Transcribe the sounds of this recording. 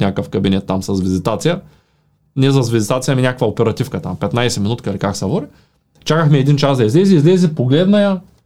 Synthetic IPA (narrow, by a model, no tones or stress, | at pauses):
nʲakəfkɐbinɛt̪ːamsɐsvizit̪at̪sijə | nɛs̬ɐs̬vizit̪at̪sijəminʲakəkvɐopɛɾɐt̪ifkɐt̪a̰mpɛt̪najsɛminut̪kɐilikaksɛvɔɾi | t͡ʃakəxmɛɛd̪int͡ʃazd̪ɐizlɛziːzlɛzipoɡlɛd̪nɐjɐ